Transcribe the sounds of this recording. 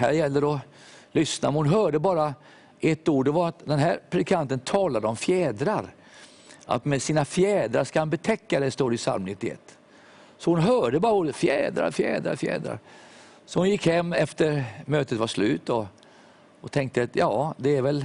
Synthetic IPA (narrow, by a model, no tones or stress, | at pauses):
ɦæːɾjɛlːəɾɔ | lʏsnamɛnhʊnɦœːɖəbɑːɾa | ʔɛt̪ːuːɖɛvaɾat̪d̪ɛnɦæːɾpʰɾɛd̪ɪkʰant̪ənt̪ʰɑːlad̪əɔmfjɛːd̪ɾaɾ | ʔa̰t̪mɛsiːnafjɛːd̪ɾaɾʂkahanbɛt̪ʰɛkːad̪ɛst̪oːɖəɪsa̰lmnɪt̪ːɪɛ̰t̪ː | sɔhʊnɦœːɖəbɑːɾauːɾət̪fjɛːd̪ɾa̰ɾfjɛ̰ːd̪ɾa̰ɾfjɛ̰ːd̪ɾa̰ɾ | sɔhʊnjɪkhɛmːɛft̪əɾmøːt̪ət̪vaʂlʉ̟̰ːt̪ːɔ | ɔt̪ʰɛŋkt̪əat̪jɑːd̪ɛːɾvɛl